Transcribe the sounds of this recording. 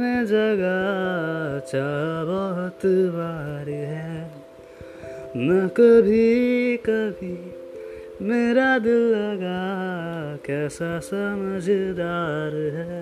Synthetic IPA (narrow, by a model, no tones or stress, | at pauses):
med͡ʒɐɡa | t͡ʃaːbɔɦʊt̪baːɾɦɛ | nɐkəbʱikɐbʱi | meːɾad̪ɪlːɐɡa | kɛːsasəməd͡ʒʱd̪aːɾɦɛː